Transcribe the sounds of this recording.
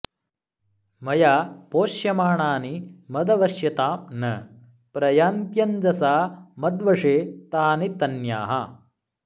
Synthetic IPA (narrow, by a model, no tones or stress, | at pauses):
mɐjaːpoːʃjɐmaːɳaːnimɐd̪ɐʋɐʃjɐt̪aːmnɐ | pɾɐjaːnt̪jɐnd͡ʒɐsaːmɐd̪ʋɐʂeːt̪aːnit̪ɐnja̰ːɦɐ